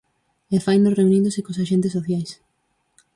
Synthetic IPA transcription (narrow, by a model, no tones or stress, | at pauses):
ɛfajnd̪oreunĩnd̪ʊsɪkosaʃent̪esːoθjajs